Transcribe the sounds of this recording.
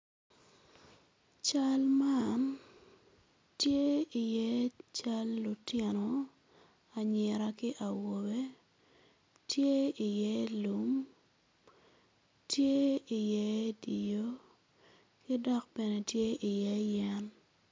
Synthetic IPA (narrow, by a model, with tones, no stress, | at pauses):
t͡ʃa˦lma˦n | tje˦i˨jɛ˦t͡ʃa˦lːʊ˨tɛ˦no˨ | a˨ɲɪ˨ɾa˦kɪ˦ʔa˨wo˨be˦ | tje˦i˨jlu˦m | tje˦i˨jɛ˦di˨jo˦ | kɪ˦dɔ˦k̚bɛ˨ne˨tje˦i˨jɛ˦jɛ˦n